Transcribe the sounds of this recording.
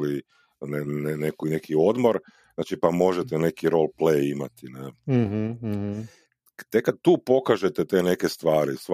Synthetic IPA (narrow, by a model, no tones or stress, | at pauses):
li | nenenekinekʰio̞d̪moɾ | znaːt͡ʃipamo̞ʒet̪ene̞kiɾo̞lˠplejimat̪ine | t̪ekːad̪̚t̪uːpo̞kaʒet̪et̪ene̞kest̪ʋaːɾis